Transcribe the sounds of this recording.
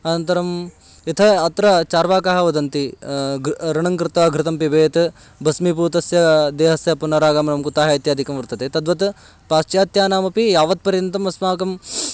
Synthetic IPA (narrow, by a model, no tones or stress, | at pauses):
ɐnɐnt̪ɐɾɐm | it̪ʰɐːt̪ɾɐt͡ʃaːɾʋaːkaɦɐʋɐd̪ɐnt̪i | ɾɐɳɐŋkɾɪt̪ɐɡɾɪt̪ɐmpibeːt̪ | bʱɐsmip̬uːt̪ɐsjɐd̪eːɦɐsjɐpunɐɾaːɡaːmnɐmkut̪aːɦɐit̪jaːd̪ʱikɐmʋɐɾt̪ɐt̪eːt̪ɐd̪ʋɐt̪ | paːst͡ʃjaːt̪jaːnaːmɐpijaːʋɐt̪̚pɐɾjɐnt̪ɐmɐsmaːkɐm